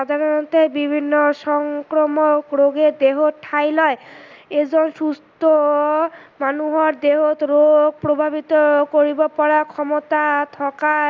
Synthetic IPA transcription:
ʃad̪ʱaɾɔɔnt̪ebibʱinːɔsɔŋkɾɔmɔkɾoɡed̪eɦoʈʰajlɔeed͡ʒɔnsust̪ɔ | manuɦɔɾd̪eɦot̪ɾoɡ̚pɾobʱabʱit̪ɔkoɾibɔpɔɾakʰɔmɔt̪at̪ʰɔka

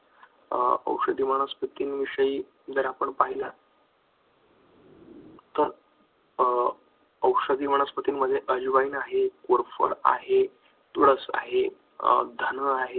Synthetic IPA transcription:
ə̰wʂəd̪iːməɽ̃əspət̪iːnʋiʂəiː | d͡zəɾapəɳpaɦila | t̪əɾ | əwʂəd̪iːm̤əɽ̃əspət̪iːnm̤əd̪ʱeʔəd͡ʑʋaiːnaɦekoɾfə̰ɾa̰ɦe | t̪uɽəsa̰ɦe | d̪ʱənəaɦe

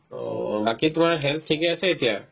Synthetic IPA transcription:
o̰baːkit̪ʊm̤ãɦelp̪̚ʰːiɡjaset̪ija̰

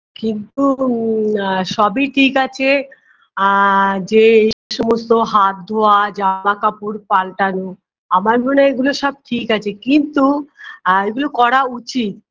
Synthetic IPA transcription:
kint̪u | ʃɔbiʈʰikat͡ɕʰe | d͡ʑeejʃɔmost̪oɦat̪̚d̪oad͡ʑamakapuɾpalʈano | amaɾbionaeɡuloʃɔb̚ʈʰikat͡ɕʰekint̪u | eɡulokɔɾaut͡ɕit̪

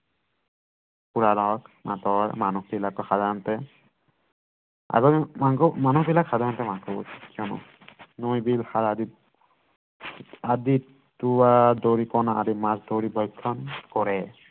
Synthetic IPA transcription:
puɹalɔkna̰tɔjmanukbilakːɔxadaɔntɛ | a̰ɡɔmaŋkɔmanukbilakxadaɔntɛmakɔbɔ̰tkːiɔnɔ̰ | nojbilxaadi | adi | tuwadoɹikɔnaadimasdoɹibɔjkʰːɔnkɔɹɛ

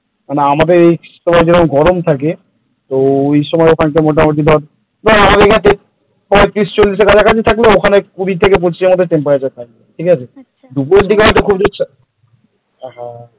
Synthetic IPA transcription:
maneamad̪eɾejʃɔmaed͡ʑeɾoɡʱɔɾomt̪ʰak̬e | t̪oejʃɔmɔeokʰank̬emoʈamoʈ̬id̪ea | b̪eamad̪eɾkʰaet̪e | pɔet̪ɾist͡ɕolːiʃ̬eɾkad͡ʑakat͡ɕʰit̪ʰakleokʰanekubit̪ʰekep̬ot͡ɕieɾmod̪ʱːeʈempaɾad͡ʑat̪ʰak̚leʈʰikat͡ɕʰe | d̪upueld̪ikeɦɔjt̪okʰubd͡ʑotːɕʰa | ɦa

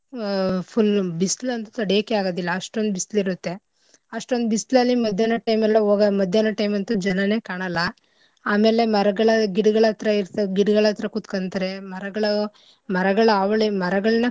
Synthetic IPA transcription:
pʰulbisʈlɐnt̪ut̪ɐɽijaːkːeaːɡoːd̪ilːɐːʂʈond̪ubisʈliɾut̪ːe̞ | ɐʂʈond̪ubisʈlɐlːimɐd̪ʱjaːnɐʈɐjmɛlːɐoːɡɐmɐd̪ʱjanɐʈɐjmɐnt̪ud͡ʒɐnɐne̞ːkaːɳɐlːɐ | aːme̞ːle̞mɐɾɐɡɐɭɐɡiɽɐɡɐɭɐt̪ɾɐiɾt̪ɐɡiɽɐɡɐɭɐt̪ɾɐkut̪kɐnt̪ɐɾe̞mɐɾɐɡɐɭɐ | mɐɾɐɡɐɭɐaːʋɐɭemɐɾɐɡɐɭɐnɐ

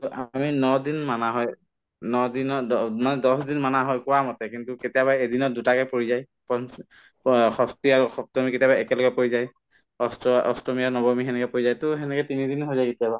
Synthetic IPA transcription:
ʔaminɔdinmanaɦɔj | nɔdinɔmanɛdɔsdinmanaɦɔjkʊwamɔtɛkintuketijabajedinɔdutakɛpoɹizaj | pɔn | xɔstiaɹxɔp̚tɔmiketijabajɛkɛlɔkɛpoizaj | ɔstɔ̰stɔmianɔbɔmixɛnɛkɛpoɹizajtʊxɛnɛkɛtinidinɦojzajketijaba

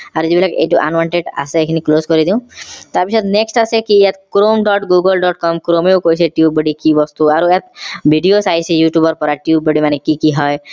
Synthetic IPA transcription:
aɾd͡ʒibilakeʔḛjʈuʔa̰nʋɔɳʈeɖa̰seekʰinikloskɔɾid̪ĩw̃t̪abisɔt̪neksʈasekiɛt̪kɾomɖɔʈɡuɡɔlɖɔʈ̚kɔmkɾomewkojseʈiub̚bɔɖikibɔst̪uaɾuɛt̪̚bʱiɖiosajsʰejuʈjubɔɾpɔɾaʈiub̚bɔɖimanekikiɦɔj

